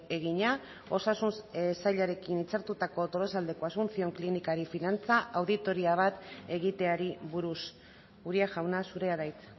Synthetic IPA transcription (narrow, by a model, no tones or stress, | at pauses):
e̞ɣiɲa | o̞sasunsaʎaɾe̞kinit͡saɾt̪ut̪ako̞t̪o̞lo̞sald̪eko̞azɣunsio̞ŋklinikaɾifinant͡saʔawðit̪o̞ɾiaβ̞at̪e̞ɣ̞it̪e̞aɾiβuɾus | uɾiaʝawnasuɾe̞aðajt͡s̪